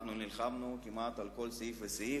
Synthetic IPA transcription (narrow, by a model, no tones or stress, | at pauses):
χnunilχamnukimat̪alko̞lseifvesi